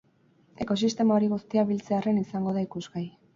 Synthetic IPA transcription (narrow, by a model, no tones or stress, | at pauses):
e̞ko̞sist̪e̞mao̞ɾiɣust̪iaβilt͡se̞are̞nisaŋɡo̞ðaikuzɣaj